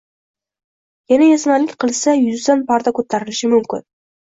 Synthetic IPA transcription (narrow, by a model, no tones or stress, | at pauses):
janajasmalɪkʲqɨlˠsajʊzd̪anpʰaɾd̪akʰɵt̪ʰːaɾɪlɪʃɪmʊmkʲɪn